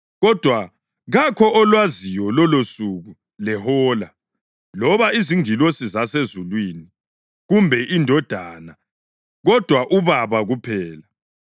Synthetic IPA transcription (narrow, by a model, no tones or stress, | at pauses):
ɣɔd̥ʱwa | ɣakʰɔʔːlwazijɔlɔlosuɣu | lɛhɔːla | lɔβaiziŋilosizasezulwini | ɣumbʱɛʔindʱɔd̥ʱaːna | ɣɔd̥ʱwaʔuβaβaɣupʰɛːla